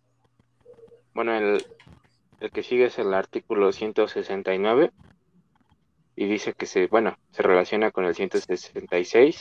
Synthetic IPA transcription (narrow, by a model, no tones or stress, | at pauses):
b̥we̞no̞el | elke̞siɣeese̞laɾt̪ikulo̞sje̞nt̪o̞sese̞nt̪ajnwe̞β̞e̞ | iðise̞ke̞sebwe̞no̞sere̞lasjo̞nako̞ne̞lsje̞nt̪osesent̪ajsejs